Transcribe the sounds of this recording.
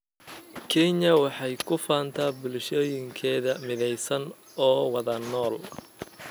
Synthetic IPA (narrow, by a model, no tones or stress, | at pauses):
kʰɛɲɐwɑħɑjkʰʊfaːnt̪ʰaːbʊlʃɔːjɪŋkʰɛːðɐmɪðɛjsɐn | ɔːwɑðɐnɔːl